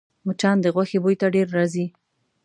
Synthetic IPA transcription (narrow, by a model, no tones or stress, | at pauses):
mʊt͡ʃɑnd̪əɣwaxebojt̪aɖeɾːɑzi